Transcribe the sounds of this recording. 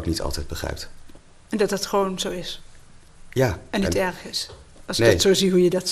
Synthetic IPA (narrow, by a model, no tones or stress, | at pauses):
knitɑ̰lˠtɛjd̚bəχrɛ̰jp̚t | ɛndɑt̚dɑtχəʋonzowɪs | jaːɛnːitɛɹχɪs | ɑlˠsjdtsowziɦujədɑt